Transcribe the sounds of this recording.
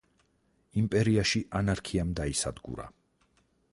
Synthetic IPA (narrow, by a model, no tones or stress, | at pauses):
impʼɛɾiaʃiʔanaɾkʰiamd̪aisad̪ɡṵɾa̰